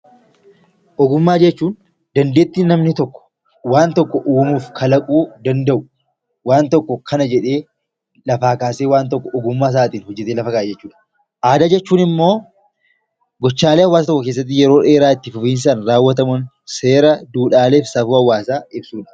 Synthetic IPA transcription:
ʔɔɡʊmːaːd͡ʒɛt͡ʃːuːn | d̪ɐnd̪e̞ːt̪ːiːnːɐmnɪt̪ɔkːɔ̥ | waːnt̪ɔkːɔʔuːmuːfkʰɐlɐkʼuːd̪ɐnd̪ɐʔʊ | waːnt̪ɔkːɔkʰɐnɐd͡ʒɛᶑe̞ː | lɐfaːkaːseːwaːnt̪ɔkːɔʔɔɡʊmːaːs̬aːt̪iːnhɔd͡ʒːɛt̪eːlɐfɐkaːed͡ʒɛt͡ʃːuːᶑɐ̥ | ʔaːd̪ɐːd͡ʒɛt͡ʃːuːnɪmːo̞ː | ɡɔt͡ʃːaːleːɐwːaːst̪ɔkːɔkeːs̬ːɐt̪̬ːɪjɛɾo̞ːᶑe̞ːɾaːɪt̪ːɪfʊfiːns̬aːnɾaːwːɐt̪̬ɐmʊn | se̞ːɾɐd̪uːᶑaːle̞ːfsɐfuːhɐwːaːsaːɪbsuːᶑɐ̥

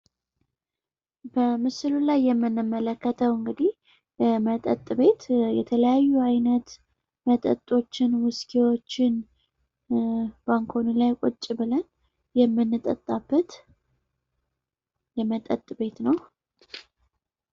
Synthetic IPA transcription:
b̥əmɨsɨlulajːɛmːɨnːɨmːələkːət̪ʰəwɨŋɡɨd̪ih | jɛmət̪ʼə̰t̪ʼːbe̞t̪jɛ̰t̪ʰələjajːuajnət̪ | mət̪ʼə̰t̪ʼːo̞t͡ʃːɪnwʊskʰiwo̞t͡ʃːɪn | b̥aŋkʰo̞nilajkʷʼo̰t͡ʃʼːɪβɨlən | jɛmːɨnːɨt̪ʼə̰t̪ʼːabːət̪ | jɛmət̪ʼə̰t̪ʼːbe̞t̪nəw

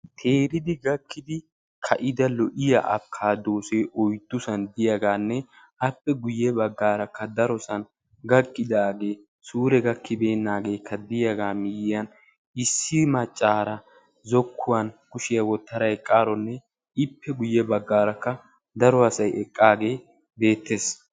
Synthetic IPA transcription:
t̪ʰeːɾɪd̪ɪɡɐkːɪd̪ɪ | kʰɐʔɪd̪ɐlɔʔɪjɐ̰ʔɐ̰bkʰːaːd̪oːseːʔɔjt̪ːʊsɐnd̪ɪjaɡaːnːɛ | ɐpːɛɡʊjːɛbɐɡːaːɾɐkːɐd̪ɐɾɔsɐn | ɡɐkʼːɪd̪aːɡe̞ː | suːɾɛɡɐkʰːɪbeːnːaːɡe̞ːkʰːɐd̪ɪjɐɡaːmɪjɪjɐn | ɪsːɪmɐt͡ʃʼːaːɾɐ | zɔkʰːʊwɐnkʊʃɪjɐwɔt̪ːɐɾɐjkʼːaːɾɔnːɛ | ɪpːɛɡʊjːɛbɐɡːaːɾɐkːɐ | d̪ɐɾɔɐsɐjɛkʼːaːɡe̞ː | be̞ːt̪ːeːs

